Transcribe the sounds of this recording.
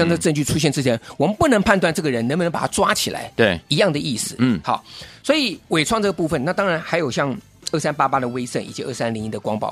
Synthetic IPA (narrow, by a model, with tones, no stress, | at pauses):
ɑ˥˧ŋʈ͡ʂɤ˥˩˧ʈ͡ʂə˥˧ŋt͡ɕy˥˩ʈ͡ʂʰu˥ɕ̬ɛ˥˧nʈ͡ʂɻ̩˥˩t͡ɕʰjɛ˧˥nwɔ˨˩mə˦pu˥˩nɤ˧˥ŋpʰa˥˧nt̪wa˥˧nʈ͡ʂɤ˥˩ɡə˩ɻə˧˥nə˧˥b̪ə˧˥ŋpa˨˩tʰa˥ʈ͡ʂwa˥t͡ɕʰi˨˩la̰˧˥ɪt̪e˥˩ɪi˧˥jɑ˥˩ŋd̪ə˩ʔi˥˩sɹ̩˨˩˥xɑ˨˩˦swɔ˧˥i˨˩˦we˨˩ɪʈ͡ʂʰwɑ˥˧ŋʈ͡ʂɤ˥˩ɡə˩pu˥˩fə˨˩nna˥˩t̪ɑ˥ŋɻa˧˥nxa˧˥ɪjo˨˩ʊɕjɑ˥˧ŋ | ə˥˩sa˥npa˥pa˥d̪ə˨we˥ɪsə˥˩nḭ˨˩t͡ɕi˧˥ə̰˥˩sa˥nli˧˥ŋi˧˥˩d̪ə˩kwɑ˥ŋpɑ˥˩